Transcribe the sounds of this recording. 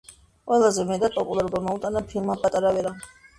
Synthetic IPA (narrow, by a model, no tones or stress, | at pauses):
qʼwɛlˠazɛmɛd̪apʼɔpʼulˠaɾɔbamɔut̪ʼanapʰilˠmapʼat̪ʼaɾavɛɾa